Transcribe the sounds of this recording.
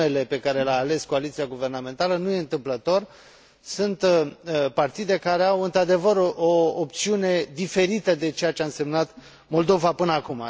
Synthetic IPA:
e̞le̞pe̞kaɾe̞leaːle̞skoalit̪sijaɡuve̞rname̞nt̪alənuje̞ɨnt̪ɨmplət̪o̞r | sunt̪part̪id̪e̞kaɾe̞awɨnt̪ɾad̪e̞vəɾoːp̚t̪siune̞d̪ife̞ɾit̪əd̪e̞t͡ʃe̞jat͡ʃeaɨnse̞mnat̪ | mo̞ld̪o̞vapɨnəakuma̰

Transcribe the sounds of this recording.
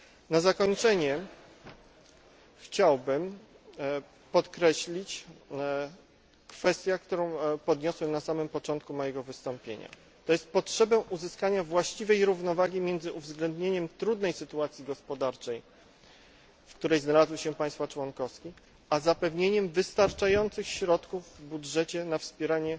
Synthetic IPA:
nazakɔɲt͡ʂɛɲɛ | xt͡ɕawbɘm | pɔt̪kɾɛɕlʲit͡ɕ | kfɛst̪ʲjakt̪uɾɔ̃w̃pɔd̪ɲɔswɛmnasamɘmpɔt͡ʂɔnt̪̚kumɔjɛɡɔvɘst̪ɔmpʲjḛɲa̰ | t̪ɔjɛst̪̚pɔtʂɛbɛʔuzɘskaɲavwaɕt͡ɕivɛjɾuvnɔvaɡʲimʲjɛnd̪zɘʔuvzɡlɛnd̪ɲeɲɛmt̪ɾud̪nɛjsɘt̪uat̪sʲjiɡɔspɔd̪aɾt͡ʂɛj | fkt̪uɾɛjznalazwɘɕɛpãj̃st̪fat͡ʂwɔnkɔfskʲi | azapɛvɲeɲɛmvɘst̪aɾt͡ʂajɔnt̪sɘxɕɾɔt̪kuvvbudʐɛt͡ɕɛnafspʲjɛɾaɲɛ

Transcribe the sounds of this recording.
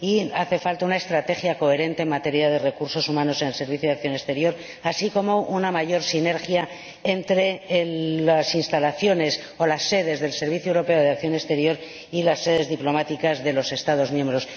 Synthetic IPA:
iaθe̞falt̪aunaest̪ɾat̪e̞xjako̞e̞ɾe̞nt̪e̞ːnmat̪e̞ɾjað̞e̞re̞kuɾso̞sumãno̞se̞ne̞lse̞ɾβ̞iθjoðak̚θjo̞ne̞st̪e̞ɾjo̞ɾ | asiko̞mo̞ʔunamaʝo̞ɾsine̞ɾxja | ent̪ɾe̞ | asinst̪alaθjo̞ne̞s | o̞lasːe̞ðe̞zðe̞lse̞ɾβ̞iθjoewɾo̞pe̞oð̞eak̚θjo̞ne̞st̪e̞ɾjo̞ɾ | ilasːe̞ðe̞zðiplo̞mat̪ikazðe̞lo̞se̞st̪að̞o̞zmjembɾo̞s

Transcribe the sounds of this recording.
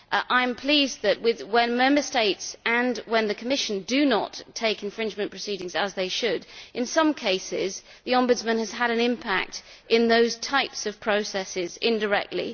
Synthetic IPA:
ʔãɪ̃mpʰl̥izðɨʔ̚wɪðwə̃nmɛ̃mbə˞steɪtsɨ̃nwə̃nðɨkʰəmɪʃɨ̃n̩dɨnə̰tʰeɪkɨ̃nfɹɪ̃nd͡ʒmɨ̃npʰɹ̥əsiɾɪ̃ŋzəzðeɪʃɨdʔɨ̃nsʌ̃mkʰeɪsɪ̰z | ðiɑ̃mbɨdzmɨ̃nɨz̥əɾɨ̃nɪ̃mpʰæ̰k̚t | ʔɪ̃nðoʊz̥tʰaɪpsʌv̥pʰɹ̥oʊsɛsɪzɪ̃ndə˞ɛ̰k̚tʰˡlḭ

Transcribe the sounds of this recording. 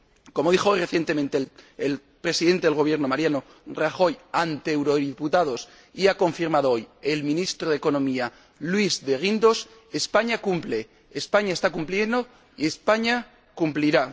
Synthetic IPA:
ko̞mo̞ðixo̞re̞θje̞nt̪e̞mẽnt̪eel | pɾe̞siðe̞nt̪eelɣ̞o̞β̞je̞ɾno̞maɾjano̞ | raxo̞jant̪eewɾo̞ðiput̪að̞o̞s | iako̞ɱfiɾmaðoojelmĩnist̪ɾoð̞eko̞nõ̞mia | lwizðe̞ɣind̪o̞s | espaɲakumple̞ː | spaɲae̞st̪akumplje̞nd̪o̞ | ie̞spaɲa | kumpliɾa

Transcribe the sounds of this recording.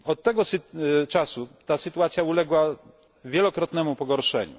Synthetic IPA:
ɔt̪ːɛɡɔst͡ʂasut̪asɘt̪uwat̪sʲjaulɛɡwa | vʲjɛlɔkɾɔt̪nɛmupɔɡɔɾʂɛ̰ɲṵ

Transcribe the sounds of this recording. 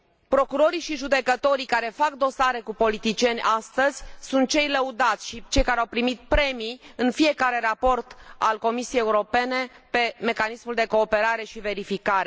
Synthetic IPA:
pɾo̞kuɾo̞ɾiʃiʒud̪e̞kət̪o̞ɾikaɾe̞fak̚d̪o̞saɾe̞kupo̞lit̪it͡ʃie̞nʲʔast̪əz̥ʲsunt̪̚t͡ʃe̞jləud̪at̪sʲʃit͡ʃe̞jkaɾeawpɾimit̪̚pɾe̞miɨnfie̞kaɾe̞ɾapo̞rt̪a̰lko̞misijejeuɾo̞pe̞ne̞ | pe̞me̞kanismuld̪e̞ko̞ːpe̞ɾaɾe̞ʃive̞ɾifikaɾe

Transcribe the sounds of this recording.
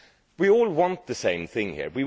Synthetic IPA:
wiɔːlˠwɑ̃nt̪̚ðɨsẽɪ̃mθɪ̃ŋhḭɹwi

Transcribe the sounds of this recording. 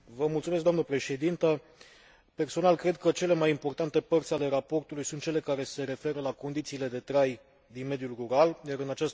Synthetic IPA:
vəmult̪sumesk̚d̪amnəpɾe̞ʃe̞d̪int̪ə | pe̞rso̞nalkɾe̞d̪̚kət͡ʃe̞le̞majimpo̞rt̪ant̪e̞pərt̪sʲale̞ɾapo̞rt̪ulujsunt̪̚t͡ʃele̞kaɾe̞se̞ɾe̞fe̞ɾəlako̞nd̪it̪siːle̞d̪e̞t̪ɾaj | d̪inme̞d̪julruɾaljaɾɨnat͡ʃas

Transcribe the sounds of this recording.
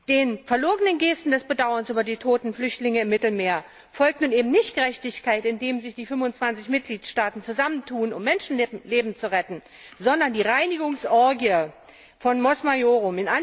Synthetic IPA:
d̥eːnfɛɐloːɡənənɡeːstn̩dɛsb̥ədaʊɐnsʔyːbɐdiːtʰoːtn̩flʏçtlɪŋəɪmːɪtl̩meːɐ | fɔlk̚tnuːnʔeːbm̩nɪçtɡ̥əʁɛçtɪçkaɪtɪndeːmzɪçd̥iːfʏmfʊnt͡sv̥ant͡sɪçmɪt̚ɡ̥liːtʃtaːtn̩t͡suzaməntʰuːənʊ̰mːɛnʃn̩leːbm̩t͡suʁɛtn̩ | zɔndɐndiːʁaɪnɪɡʊŋsʔɔɐɡiə | fɔnmɔsmajoːʁʊmɪnʔan

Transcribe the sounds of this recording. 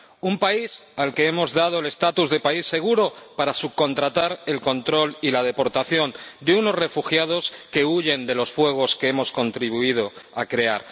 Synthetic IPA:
umpaisalke̞e̞mo̞zðað̞o̞ele̞st̪at̪uzðe̞paisːe̞ɣ̞uɾo̞paɾasuko̞nt̪ɾat̪aɾe̞lko̞nt̪ɾo̞lilað̞e̞po̞ɾt̪aθjo̞nd̪euno̞sre̞fuxjað̞o̞ske̞uʝe̞nd̪e̞lo̞sfwe̞ɣ̞o̞ske̞e̞mo̞sko̞nt̪ɾiβ̞uið̞o̞akɾe̞aɾ

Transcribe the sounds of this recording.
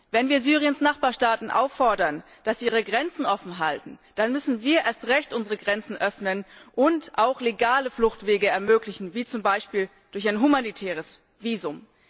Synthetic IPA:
vɛnviːɐzyːʁiənsnaχb̥aːɐʃtaːtn̩ʔa̰ʊfːɔɐdɐn | d̥asiʔiːʁ̞əɡʁɛnt͡sn̩ʔɔfn̩ɦaltn̩d̥anmʏsn̩viːɐʔeːɐstʁɛçtʔʊnzəʁəɡʁɛnt͡sn̩ʔœfnənʔʊntʔaʊxleɡaːləflʊxtv̥eːɡəɛɐmøːklɪçn̩viːt͡sʊmbaɪʃpiːl | d̥ʊɐçaɪnɦumanitʰɛːʁ̞əs | viːzʊm

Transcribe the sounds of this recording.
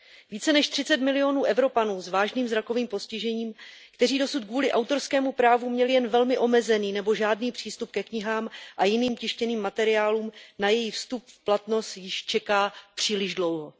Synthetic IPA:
viːt͡sɛnɛʃt̪r̥ɪt͡sɛt̪mɪlɪo̞nuːʔɛvɾo̞panuːzvaːʒniːmzɾako̞viːmpo̞scɪʒɛɲiːmkt̪ɛriːdo̞sut̪̚kvuːlɪʔawt̪o̞ɾskɛːmupɾaːvumɲɛlɪjɛnvɛlmɪʔo̞mɛzɛniːnɛboʒaːdniːpr̥iːst̪up̚kɛkɲɪɦaːmʔajɪniːmcɪʃcɛniːmːat̪ɛɾɪaːluːmnajɛjɪxfst̪up̚fplat̪no̞st̪jɪʃt͡ʃɛkaːpr̥iːlɪʒdlo̞wɦo̞

